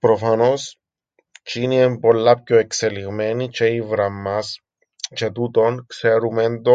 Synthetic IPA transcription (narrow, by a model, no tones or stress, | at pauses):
pɾofɐno̞s | t͡ʃiniempo̞lːɐpçoekseliɣmenit͡ʃeivɾɐmːɐs | t͡ʃet̪ut̪o̞nkseɾumend̪o